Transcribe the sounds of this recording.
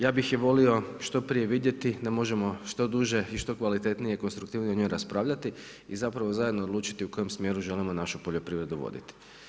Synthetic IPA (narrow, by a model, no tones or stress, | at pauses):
jaːbixjeʋo̞lio̞ʃt̪o̞pɾije̞ʋid̪je̞t̪id̪amo̞ʒe̞mo̞ʃt̪o̞d̪uʒe̞iʃt̪o̞kʋalit̪e̞t̪nije̞iko̞nst̪ɾukt̪iːʋnieoɲo̞jɾaspɾaːʋʎat̪i | izapɾaʋo̞zajd̪no̞ːd̪luːt͡ʃi̥t̪iuko̞je̞msmje̞ɾuʒe̞limo̞naʃupoʎo̞pɾiʋɾe̞d̪uʋo̰d̪ḭt̪i̥